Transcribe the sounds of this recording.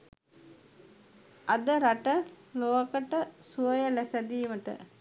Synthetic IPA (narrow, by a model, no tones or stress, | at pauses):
ɐd̪əɾaʈə | loɦɐkəʈəsuɐjəlæsɛd̪iːʋəʈə̰